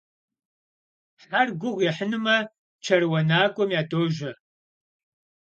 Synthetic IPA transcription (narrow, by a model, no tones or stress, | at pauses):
ħarɡʷʊʁʷjɛħənɨmɐ | t͡ʃʰɐrwɐnaːkʷʼɔmjaːtʰʼoːʒɐ